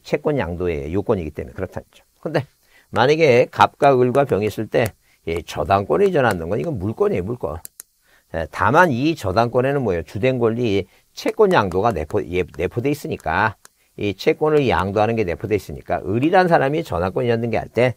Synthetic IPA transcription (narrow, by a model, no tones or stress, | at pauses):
t͡ɕʰe̞k͈wʌɲja̰ŋdoe̞̰jokwʌɲiɡit͈e̞mḛjḛkɯɾʌtʰa̰ɲid͡ʑo̥kɯnde̞ | maɲaɡe̞kap̚k͈aɯɭɡwapjʌŋis͈ɯɭt͈e̞ | jet͡ɕʌdaŋk͈wʌnɯd͡ʑʌnandɯnɡʌniɡʌnmuɭk͈wʌɲemuɭk͈ʌ̰ | ḛtamanit͡ɕʌdaŋk͈wʌne̞nɯnmwʌjot͡ɕude̞nɡoʎːi | t͡ɕʰe̞k͈wʌɲjaŋdoɡanḛpʰojene̞pʰodeis͈ɯɲik͈a | it͡ɕʰe̞k͈wʌnɯɭja̰ŋdoɦanɯnɡe̞ne̞pʰodeis͈ɯɲḭk͈a̰ʔɯɾiɾansʰaɾamit͡ɕʌ̰daŋkwʌɲiandɯnɡe̞a̰ɭt͈e̞